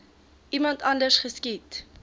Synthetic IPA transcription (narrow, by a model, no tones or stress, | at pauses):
ʔimɐntɐndərsχəskit